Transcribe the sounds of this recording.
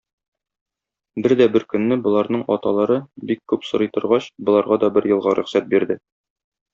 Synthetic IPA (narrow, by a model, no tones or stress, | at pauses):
bɘɾd̪æbɘɾkɵ̆nːɘbŏlˠɑɾnɤɴɒt̪ɑlˠɑɾɤbikkːʉpsŏɾɤ̆jt̪ŏɾʁɑɕbŏlˠɑɾʁɑd̪ɒbɘɾjɤ̆lˠʁɑɾʔɵ̆χsæt̪̚biɾd̪ɘ